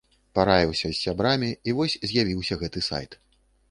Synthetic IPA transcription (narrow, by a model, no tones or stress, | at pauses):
paɾajʲiwsʲɐzʲːabɾamʲiːvɔsʲzʲjavʲiwsʲɐɣɛt̪ɨsa̰jt̪